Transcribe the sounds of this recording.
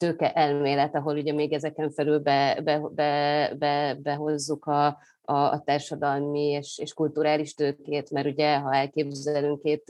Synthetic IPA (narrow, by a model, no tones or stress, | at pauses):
t̪øːkɛʔɛlmeːlɛt̪ɒɦo̞luɟɛmeːɡɛzɛkɛɱfɛlylbɛbɛbɛbɛbɛɦo̞zːukɒ̰ː | t̪aːrʃɒd̪ɒlmieːʃeːʃkult̪uɾaːliʃt̪øːkeːt̪mɛɾuɟɛɦɒɛlkeːbzɛlyŋkeːt̪